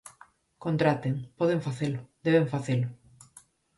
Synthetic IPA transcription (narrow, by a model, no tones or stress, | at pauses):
kont̪ɾat̪eŋpɔðeɱfaθelʊd̪eβeɱfaθelʊ